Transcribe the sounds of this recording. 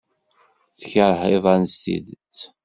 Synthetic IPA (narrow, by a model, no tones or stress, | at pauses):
θəçəɾheðˤænst̪ḭðt͡sː